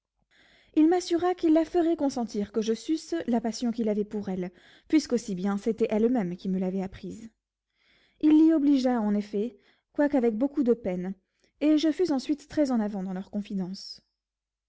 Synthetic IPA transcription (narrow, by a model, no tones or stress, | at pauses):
ilmasyʁakilːafəʁɛkɔ̃sɑ̃t̪iʁkəʒəfyslapasjɔ̃kilavɛpuʁɛl | pɥiskosibjɛ̃set̪ɛʔɛlmɛmkʲiməlavɛapχiz | ilːiɔbliʒaɑ̃nefɛ | kwakavɛk̚bokud̪əpɛn | eʒəfyzɑ̃sɥit̪ːχɛzɑ̃navɑ̃d̪ɑ̃lœʁkɔ̃fid̪ɑ̃s